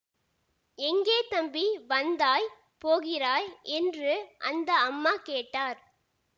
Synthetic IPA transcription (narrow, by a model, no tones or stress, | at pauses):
ɛŋɡeːt̪ɐmbiʋɐnd̪aːj | poːɣɪraːjɛndrɯʔɐ̰nd̪ɐɐmːaːkeːʈːaːɾ